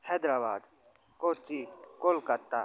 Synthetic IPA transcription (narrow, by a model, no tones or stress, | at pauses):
hɛd̪ɾaːba̰ːd̪ | koːt͡ʃikolkɐt̪ːaː